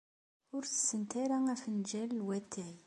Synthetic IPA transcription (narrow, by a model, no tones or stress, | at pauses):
ʊɾθə̥sːənt̪aɾaæfənd͡ʒælːwæt̪ʰːæj